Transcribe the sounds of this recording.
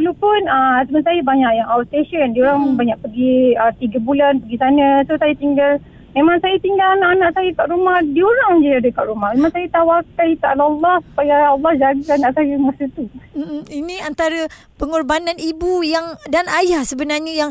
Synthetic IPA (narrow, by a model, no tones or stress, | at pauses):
əlopʊnəsəmənsajabaɲaʔjaŋawst̪eʃəndioɾaŋbaɲaʔ̚pəɡiət̪iɡəbulanpəɡisanə̃sosajat̪iŋɡal | memaŋsajat̪iŋɡalanaʔanaʔsajakaʔɾumahdioɾaŋd͡ʒiadəkaʔɾumahmemaŋsajat̪awakait̪aʔalːlːɔhsu̥pajaːlːɔhd͡ʒaɡəanaʔsajəumasət̪um̩minĩant̪aɾa | pəŋɔrbanãnibujaŋdanajahsəbənarɲəjaŋ